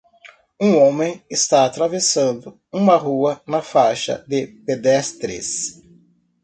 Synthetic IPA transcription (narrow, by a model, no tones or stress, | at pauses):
ũõmẽj̃ɪst̪aat̪ɾavesɐ̃nd̪ʊ | ũmɐɦuɐnɐfajʃɐ̰d̪ɪped̪ɛst̪ɾɪ̰s